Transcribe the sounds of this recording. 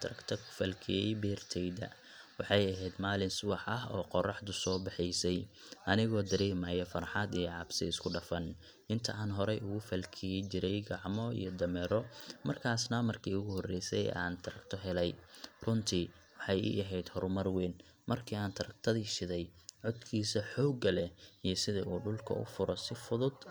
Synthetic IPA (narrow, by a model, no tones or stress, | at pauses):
t̪ʰɐɾɐkt̪ʰɐkʰʊ̥fɐlkʰɪjɛjbɛːrt̪ʰɛjðɐ̰ | wɑħɑjɐɦɛjd̪maːlɪnsʊwɑħʔɐɦɔːqɔrɑħd̪ʊsɔːbɪħɪjsɛj | ʔɐnɪɣɔːd̪ɐɾɛːmajɔfɐɾħɑd̪ijɞʕɑbsɪ̰ɪskʰʊɖɐfɐn | ʔɪnt̪ʰɐaːnɦɔɾɛjʊɣʊfɐlkʰit͡ʃɪɾɛjɡɑʕmɔḭjɔd̪ɐmɛɾɔmɐrkʰaːsnɐmɐrkʰiːʊɣʊhɔrɛjsɛ̰ja̰ːnt̪ʰɐɾɐkt̪ʰɔɦɛlɛjrʊnt̪ʰi | wɑħɑjḭʔɐɦɛjd̪hɔrmɐrwɛːn | mɐrkʰiːaːnt̪ʰɐɾɐk̚t̪ʰɐðiːʃɪðɛjʕɔd̪kʰiːsɐħɔːɡɐlɛijɞsɪðɐuːɖʊlkʰɐ̰ʊ̰fʊɾɔsɪfʊðʊd̪